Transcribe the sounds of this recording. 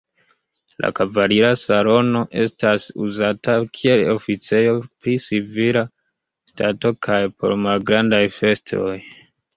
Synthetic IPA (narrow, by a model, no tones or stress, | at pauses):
lʔa̰kavaɾiɾasalo̞no̞ʔe̞stasuzatakʰie̞lofit͡se̞jo̞pɾisivila | stato̞kʰajpo̞̰ɾmalɡɾandajfe̞stʰo̞̰j